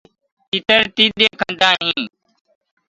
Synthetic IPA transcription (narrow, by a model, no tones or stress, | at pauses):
it̪əɾt̪iːd̪eːkʰənd̪aːɦĩː